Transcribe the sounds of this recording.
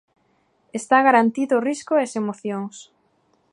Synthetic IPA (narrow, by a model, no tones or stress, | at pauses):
est̪aɣaɾant̪iðʊriskʊesemoθjoŋs